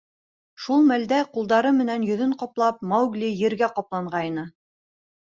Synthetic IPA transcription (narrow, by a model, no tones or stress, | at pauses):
ʃulˠmæld̪æqulˠd̪ɑɾɤmɘ̆nænjɵ̆ðɵɴqɒplˠɑp̚mɑwɡlʲijɘ̆ɾɡæqɒplˠɑɴʁɑinɤ